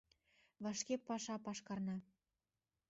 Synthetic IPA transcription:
βɑʃkepːɑʃɑpɑʃkɑrnɑ

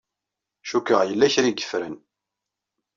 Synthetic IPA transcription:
ʃukəʁjəlːæçɾiɡə̥fɾən

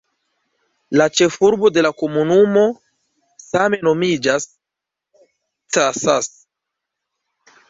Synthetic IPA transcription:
lat͡ʃe̞fuɾbo̞de̞lako̞munumo̞ | same̞no̞mid͡ʒas | t͡sasas

